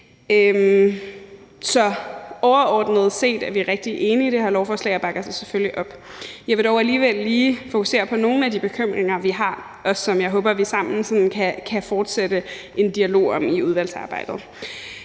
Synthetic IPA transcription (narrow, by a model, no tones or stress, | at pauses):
øm | sɒ̽ɒʊɐɒːd̥nəð̞̩ˠse̝̰ːd̥æɐʋiæʁeɡ̥̚d̥iʔe̝ːniːd̥e̝hɑ̈lɒʊfɒːslɛ̰ɪɒb̥ɑ̈ɡ̥ɐsɑɪse̥føljiʔɒ̽b̥ | jɑ̈ɪʋe̝ɾɒʊæliːʋel̰ːiːfo̝kʰuse̝̰ːɐpʰɒ̽no̝ːn̩æd̥ib̥e̝kʰøm̰ʁeŋɐʋiɦɑ̈ | ɒ̽sɒ̽mjɑ̈ɪɦɔ̽ːb̥ɐʋisɑ̈m̰n̩sɒ̽nnkʰækʰæfɒːd̥sed̥ə | ʔe̝nd̥iælo̝̰ːɒ̽miuð̞ˠʋæl̰d̥sɑ̈ːb̥ɑ̈ɪ̰d̥ð̩ˠ